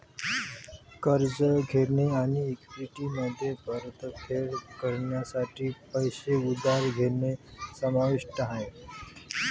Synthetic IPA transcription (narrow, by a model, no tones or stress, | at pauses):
kəɾd͡ʒəɡʱeɾneaniekiʈiməd̪ʱjepəɾt̪pʰeɾkəɾɳjasaʈʰipəjseud̪aɾɡʱeɾnesəmaʋiʂʈɦə̃